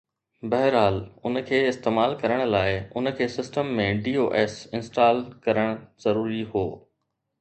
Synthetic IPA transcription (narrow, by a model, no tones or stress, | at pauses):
bɐɦɪɾɦaːlʊn̆kʰeːɪst̪eːmaːlkɐɾəɽ̃̆laːɪʊnə̆kʰeːsɪsʈəmːẽɖiːoːʔeːsɪ̃nsʈaːlkɐɾəɽ̃zɐɾuːɾiɦoː